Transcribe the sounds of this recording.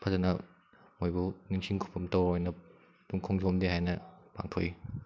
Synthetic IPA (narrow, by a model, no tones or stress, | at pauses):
pʰɐzɐnɐ | mojbuniŋsʰiŋkʰu̥pʰɐmtowɔjnɐ | tuŋkʰɔŋzɔmdeɦajnɐpa̰ŋtʰo̰j